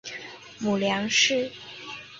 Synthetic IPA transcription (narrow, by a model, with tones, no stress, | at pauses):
mu˨˩ljɑ˧˥ŋʂɻ̩˥˩